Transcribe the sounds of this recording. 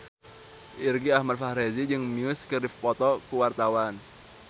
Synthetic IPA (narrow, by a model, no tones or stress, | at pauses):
ʔirɡiahmad̪̚fahɾezid͡ʒɨŋmiʊskərifpɔt̪ɔkuwart̪awan